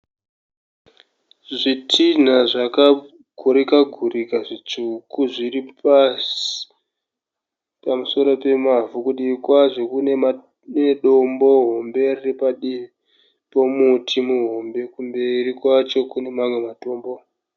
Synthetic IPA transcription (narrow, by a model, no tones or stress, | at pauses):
ʐitʰin̤aʐaka | ɡʱoɾikaɡʱurikaʐit͡ʃukuʐiripasi̥ | pamuso̞ɾo̞pe̞mavukuɗikwaʐo̞kune̞ma | neɗo̞mbo̞ɦo̞mberirepaɗii | po̞mutʰimuɦo̞mbe̞kumbe̞rikwat͡ʃo̞kune̞mamwe̞mato̞ːmbo̞